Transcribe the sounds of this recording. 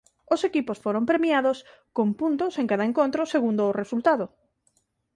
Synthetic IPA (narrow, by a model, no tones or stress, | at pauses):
ʊsekiposfoɾompɾemjaðʊskompunt̪ʊseŋkaðɐẽŋkont̪ɾʊseɣund̪ʊːresult̪aðo